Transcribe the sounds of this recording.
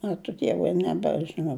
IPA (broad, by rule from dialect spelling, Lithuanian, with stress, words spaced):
ˈɑːt͡ʃʲʊ ˈdʲiɛʋʊɪ nʲɛbʲɛʒʲɪˈnɐʊ